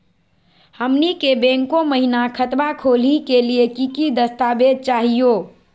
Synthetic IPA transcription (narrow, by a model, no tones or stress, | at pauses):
həmnikebẽŋkõməɦinakʰət̪bakʰolikeliekikid̪əst̪abed̪̚t͡ʃaɦijo